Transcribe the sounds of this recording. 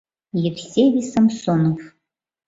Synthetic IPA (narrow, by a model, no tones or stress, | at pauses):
jɪrsʲevʲisɐmsonof